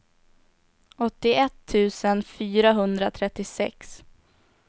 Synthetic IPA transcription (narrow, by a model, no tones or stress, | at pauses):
ɔt̪ːɪɛt̪ʰːʉ̟ːsənfyːɾaɦɵnd̪ɾat̪ʰɾɛt̪ːɪsɛ̰ks